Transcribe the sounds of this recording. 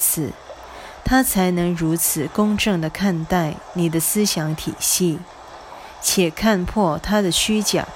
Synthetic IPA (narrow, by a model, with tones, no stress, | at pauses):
t͡sʰɹ̩˨˩˦ | t̪ʰa˥t͡sʰa˧˥ɪnɤ˧˥ŋɻu˧˥t͡sʰɹ̩˨˩kʊ˥ŋʈ͡ʂɤ˥˩ŋd̪ə˩kʰa˥˧nt̪a˥˩ɪni˨˩d̪ə˦sɹ̩˥ɕjɑ˧˥ŋt̪ʰi˨˩ɕi˥˩ | t͡ɕʰjɛ˨˩kʰa˥˧npʰwɔ˥˩t̪ʰa˥d̪ə˨ɕy˥t͡ɕjɑ̰˨˩˦